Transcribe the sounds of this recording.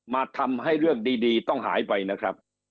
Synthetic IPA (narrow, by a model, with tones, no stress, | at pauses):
maː˧t̪ʰa˧mɦa˥˩jɾɯ˥˩ək̚diː˧diː˧t̪ɔ˥˩ŋɦa̰ː˩˦jpa˧jna˦˥kʰɾa˦˥p̚